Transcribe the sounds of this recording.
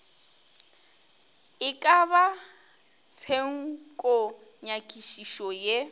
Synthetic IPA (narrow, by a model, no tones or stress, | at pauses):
ɪkʼaba | t͡sʰeŋ̩kʼo | ɲakʼiʃiʃɔje